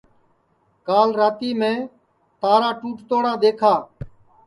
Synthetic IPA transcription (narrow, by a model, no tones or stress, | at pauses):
kaːlɾaːt̪iːmẽː | t̪aːɾaːʈuːʈt̪oːɽaːd̪eːkʰaː